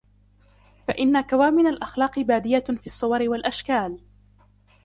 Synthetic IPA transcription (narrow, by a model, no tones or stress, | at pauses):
fa̰ʔɪnːakawaːmɪnalʔaxlɑːqɨbaːd̪ɪjafiːsˤːʊwɑɾɪwalʔaʃkaːl